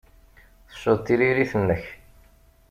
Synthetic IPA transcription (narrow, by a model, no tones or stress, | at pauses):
θə̥ʃːʊðt̪ːiɾiɾiθənːəç